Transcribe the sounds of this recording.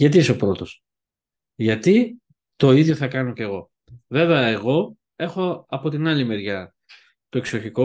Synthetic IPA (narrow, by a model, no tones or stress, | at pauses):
jɐt̪̬iiseo̞pɾo̞t̪o̞s | ʝɐt̪i | t̪o̞iðʝo̞θɐkɐnoce̞ɣo̞ | ve̞veɐeɣo̞ | e̞xo̞ɐpo̞t̪inɐlime̞ɾʝɐ | t̪oeksoçiko